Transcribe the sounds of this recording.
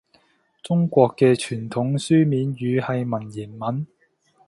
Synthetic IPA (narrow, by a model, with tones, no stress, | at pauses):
t͡sʊ˥ŋkʷɔː˧kːɛː˧t͡ʃʰyː˨˩nt̪ʰʊ˨˥ŋsyː˥miː˨˧njyː˨˧hɐ˨jmɐ˨˩njiː˨˩nmɐ˨˥n